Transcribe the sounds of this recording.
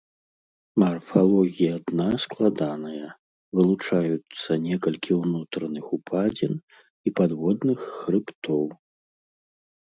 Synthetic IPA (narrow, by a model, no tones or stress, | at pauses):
mɐrfalˠɔɣʲijɐad̪nasklˠad̪anɐjɐ | vɨlˠut͡ʂajut̪sːɐnʲɛkɐlʲkʲiwnut̪ɾɐnɨxupʰad͡zʲɛn | ipad̪vɔd̪nɨxːɾɨpt̪ɔw